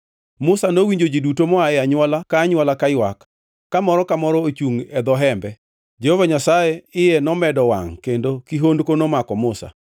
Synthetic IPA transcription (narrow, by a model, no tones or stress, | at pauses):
mʊsanowiɲd͡ʒod͡ʒidutomɔaɛaɲwalakaːɲwalakajwakː | amɔɾɔkamɔɾɔot͡ʃuŋɛd̪ɔɦɛmbɛ | d͡ʒehovaɲasajeɪjɛnɔmɛdɔwa̰ŋkendokiɦondkonomakɔmʊsa̰